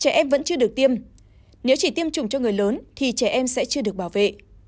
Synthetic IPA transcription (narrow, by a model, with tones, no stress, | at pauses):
t͡ɕɛ˧˩ʔɛ˧mvə̰˧˥nt͡ɕɨ˧əɗɨ˨˩ək̚t̪i˧əm | ne˨˦wt͡ɕi˧˩t̪i˧əmt͡ɕʊ˨˩ŋ͡mt͡ɕɔ˧ŋɨ˨˩əjləː˨˦nt̪ʰi˨˩t͡ɕɛ˧˩ʔɛ˧msɛ̰˧˥t͡ɕɨ˧əɗɨ˨˩ək̚ɓaː˧˩wvḛ˧˨ʔ